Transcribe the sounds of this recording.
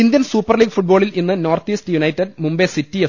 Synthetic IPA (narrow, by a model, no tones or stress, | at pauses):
ind̪jɐnsuːpːɐrliːɡfuʈ̚bo̞ːɭilinːɨno̞ːrt̪iːstɨjunɐjtːɐɖmumbesitːie